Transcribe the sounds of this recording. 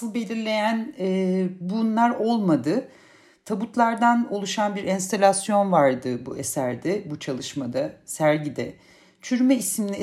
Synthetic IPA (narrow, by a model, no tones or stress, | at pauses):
ɯlˠbe̞lʲiɾlʲe̞jænɛːbunlˠaɾo̞lˠmad̪ɯ | t̪ʰabut̪lˠaɾd̪ano̞lˠuʃanbiɾɛnst̪ʰalʲasjo̞nvaɾd̪ɯbuesæɾd̪ɛbut͡ʃʰalˠɯʃmad̪asæɾɟid̪ɛ | t͡ʃʰyɾmɛismni